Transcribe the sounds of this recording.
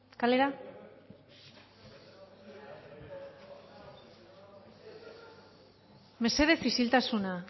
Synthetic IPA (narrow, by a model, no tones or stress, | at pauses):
kale̞ɾa | me̞se̞ðefisilt̪asuna